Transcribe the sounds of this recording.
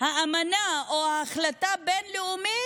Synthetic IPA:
haamanaoaːχlatabenleumi

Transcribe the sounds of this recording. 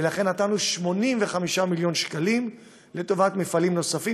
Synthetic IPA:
elaχe̞nːatanuʃmo̞nimveχamiʃamiljo̞nʃkalim | le̞to̞vatmefalimno̞safi

